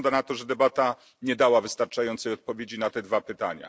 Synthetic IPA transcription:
nd̪anat̪ɔʐɛd̪ɛbat̪a | ɲɛd̪awavɘst̪aɾt͡ʂajɔnt̪sɛjɔt̪̚pɔvʲjed͡ʑinat̪ɛd̪vapɘt̪a̰ɲa̰

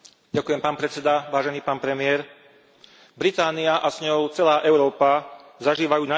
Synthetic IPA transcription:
ɟakujɛmpaːnpɾɛt͡sɛd̪aʋaːʒɛniːpaːnpɾɛmɪɛːɾ | bɾit̪aːniaʔasɲɔʊt͡sɛlaːʔɛʊɾɔːpazaʒiːʋajuːna

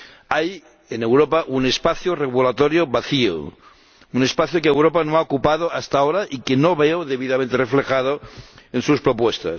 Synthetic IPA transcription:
aj | enewɾopaʔunespaθjoreɣulat̪oɾjoβaθio̰ | unespaθjokeewɾopanoaokupaðoast̪aoɾaʔikenoβeoðeβiðamẽnt̪ereflexað̞oensuspɾopwest̪a̰

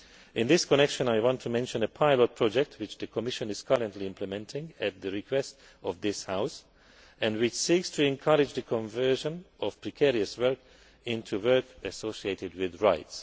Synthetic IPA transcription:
ʔɪ̃nðɪskɔnɛkʃə̃naɪwɑ̃ntʰumɛ̃nʃə̃nəpʰaɪlɔt̚pʰɹ̥ɔd͡ʒɛk̚tʰwɪt͡ʃðɨkʰɔmɪʃə̃nɨz̥kʰʌɹə̃ntʰliɪ̃mpʰləmɛ̃ntʰɪ̃ŋɨt̪̚ðɨɹikʰwɛst | ɔvðɪshaʊs | ɨ̃ndwɪt͡ʃsikstʰɨɛ̃nkʰʌɹɪd͡ʒðɨkʰɔ̃ɱvɜ˞ʒə̃nʔɔv̥pɹɨkʰɛɹiɨswɜ˞k | ɪ̃ntʰuwɜ˞kɨsoʊsieɪtɪd̚wɪðɹaɪts

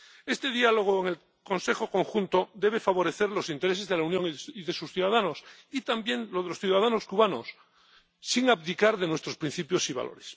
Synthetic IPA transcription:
e̞st̪e̞ðialo̞ɣ̞oeŋe̞l | ko̞nse̞xo̞ko̞ŋxunt̪od̪e̞β̞e̞faβo̞ɾe̞θe̞ɾlo̞sint̪eɾe̞se̞zðelaunjo̞ŋiðe̞susθjuðaðano̞sit̪ambje̞ŋlo̞ðelo̞sθjuðaðano̞skuβano̞sː | iŋapt̪ikaɾðe̞nwe̞st̪ɾo̞spɾin̟θipjo̞siβa̰lʔo̞ɾes

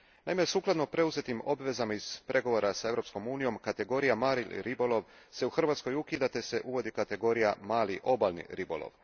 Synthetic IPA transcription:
naimesuːklˠad̪nopɾe̞uze̞t̪imo̞bʋe̞zamaiz̥pɾʔe̞ɡo̞ʋoɾasae̞vɾo̞psko̞muːnijo̞mkat̪e̞ɡo̞ɾijamaːɾil̰ʲɾibo̞lˠo̞ʋse̞uxr̩ʋat̪sko̞jukid̪at̪ese̞ʔuʋo̞d̪ikat̪e̞ɡo̞ːɾijamaːlḭʔo̞balnḭɾibo̰lˠo̰ʋ

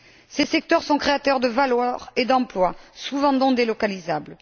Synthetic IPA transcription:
sesɛk̚t̪œʁsɔ̃kχeat̪œʁd̪əvalwaʁed̪ɑ̃plwasuvɑ̃d̪ɔ̃d̪elɔkalizabl

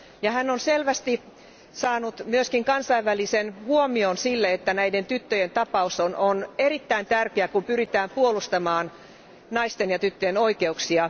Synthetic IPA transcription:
jɑhænːonselʋæst̪i | sɑːnut̪myøskiŋkɑnsɑiʋːælisenhuomionsilːeet̪ːænæident̪yt̪ːøjent̪ɑpɑusonʔonerit̪ːæint̪ærkeækumpyrit̪æːmpuolust̪ɑmɑːn | nɑist̪enjɑt̪yt̪ːøjenoikeuksiɑ

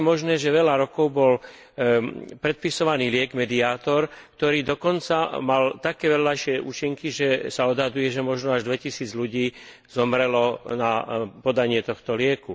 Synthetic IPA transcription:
mɔʒnɛːʒɛʋɛʎaɾɔkɔʊbɔl | pɾɛt̪̚pisɔʋaniːlɪɛɡmɛd̪iaːt̪ɔɾkt̪ɔɾiːd̪ɔkɔnt͡samalt̪akɛːʋɛllaɪʃɪɛʔṵt͡ʃiŋkiʒɛsaɔd̪ɦad̪ujɛʒɛmɔʒnɔaʒd̪ʋɛcisiːd͡zluɟiː | zɔmɾɛlɔnapɔd̪aɲɪɛt̪ɔxt̪ɔlɪɛku

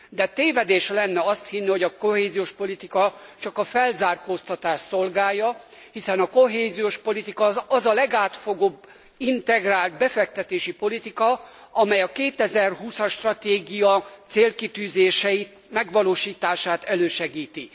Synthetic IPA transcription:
d̪ɛt̪eːvɛd̪eːʃlɛnːɛɒst̪hinːiho̞ɟɒko̞ɦeːzijoːʃpo̞lit̪ikɒt͡ʃɒkɒfɛlzaːrkoːst̪ɒt̪aːʃso̞lɡaːjːɒhisɛnɒko̞ɦeːzijoːʃpo̞lit̪ikɒɒzɒlɛɡaːt̪fo̞ɡoːbː | int̪ɛɡraːlt̪̚bɛfɛk̚t̪ɛt̪eːʃipo̞lit̪ikɒ | ɒmɛjɒkeːt̪ɛzɛrɦuːsɒʃt̪rɒt̪eːɡijɒt̪seːlkit̪yːzeːʃɛjit̪mɛɡʋɒloːʃiːt̪aːʃaːt̪ɛløːʃɛɡiːt̪i

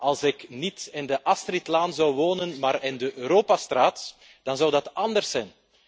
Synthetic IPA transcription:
ʔɑlˠsɪknitɪndəʔastritlaːnzɑwʋoːnənmaːɾɪndəʔøːɾoːpastraːt | d̥ɑnzɑwdɑtɑndərsːɛjn

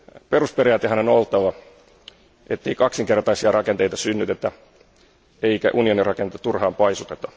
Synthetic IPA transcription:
pe̞ruspeɾijɑːt̪eɦænonolt̪ːɑʋɑ | ʔet̪ːe̞ikɑksiŋke̞rt̪ɑisiɑrɑke̞nt̪e̞jt̪ɑsynːyt̪et̪ːæ | eikæ̰ʔunio̞nirɑkent̪ːɑt̪urhɑːmpɑjsut̪et̪ɑ̥

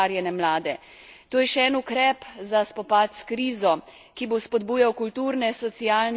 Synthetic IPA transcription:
aɾjɛnɛmlaːd̪ɛ | t̪oːjɛʃɛɛnukɾɛpzaspɔpaːt̪skɾiːzɔ | kibospɔd̪buːjawkult̪uːɾnɛsɔt̪sijaːln

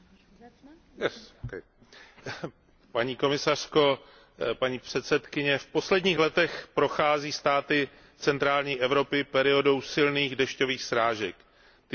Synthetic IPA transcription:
ɛkɛj | paɲiːko̞mɪsar̝̥ko̞ | paɲiːpr̝̥ɛt̪sɛt̪kɪɲɛfpo̞slɛdɲiːxlɛt̪ɛxpɾo̞xaːziːst̪aːt̪ɪ | t͡sɛnt̪ɾaːlɲiːʔɛvɾo̞pɪpɛɾɪo̞do̞wsɪlniːɣdɛʃco̞viːxsɾaːʒɛk | t̪

